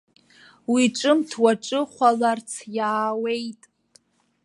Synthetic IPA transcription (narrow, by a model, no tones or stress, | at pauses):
wiʈ͡ʂʼɨmtʰwaʈ͡ʂʼɨχʷalart͡sʰjaːwe̞jtʼ